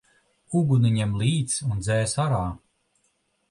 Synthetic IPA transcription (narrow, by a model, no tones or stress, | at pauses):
uɡuniɲemlˠiːt̪sund̪zɛːsaɾaː